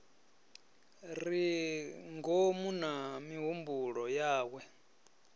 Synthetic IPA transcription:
ɾi | ŋɡomunamiɦumbuɺɔjaːk̬wɛ

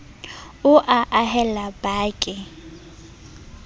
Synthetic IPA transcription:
ʊʔaʔahɛlabaːkʼɪ

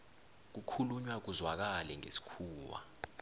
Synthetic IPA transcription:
k̬ukʰuluɲwak̬uzwak̬alɛŋḛsi̥kʰuːwa̰

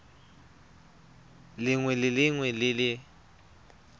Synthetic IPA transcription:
lɪŋwɛlɪlɪŋwɛlɪlɪ

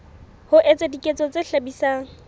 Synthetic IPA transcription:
hʊʔet͡sʼedikʼet͡sʼɔt͡sʼeɬabisaŋ̩

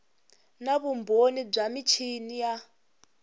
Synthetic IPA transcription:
naβumbʱonib͡ʐamit͡ʃʰinija

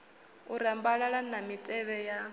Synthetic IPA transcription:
uɾambaɺaɺanamitʼɛβɛja

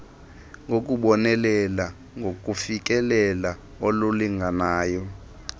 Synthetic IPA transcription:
ŋʱok̬ʼuɓɔnɛlɛla | ŋɡʱok̬ʼufik̬ʼɛlɛla | ololiŋɡʱanaːjɔ

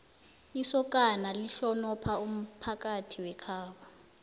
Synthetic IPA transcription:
isɔkʼanaliɬɔnɔpʰaum̩pʰakʼatʰiwɛkʰaːwɔ

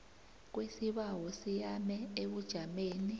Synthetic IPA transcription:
k̬wesiɓawɔsijamɛeɓud̥ʒ̥ʱameːni

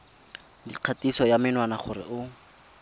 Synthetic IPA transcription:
diq͡χʰatisɔjamɪnwanaχʊrɪ̰ʔʊ

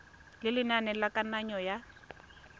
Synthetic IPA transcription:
lɪlɪnanɛlakʼanaɲɔja

